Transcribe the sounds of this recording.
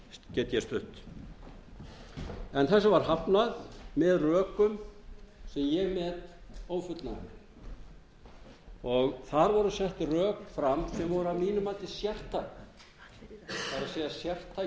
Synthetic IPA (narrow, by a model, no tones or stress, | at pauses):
cɛːt̪jɛst̪ʏht̪ | ɛnθɛsːʏvaɾ̥ɦapnaðmɛðrœːkʏm | sɛmjɛɣmɛt̪oːwfʏt̪naɪ | ɔɣθaɾvɔɾʏsɛht̪rœːkfɾamsɛmvɔɾʏamiːnʏmaːt̪ɪsjɛr̥t̪ʰːajk | paɾaseːjasjɛr̥t̪ʰːa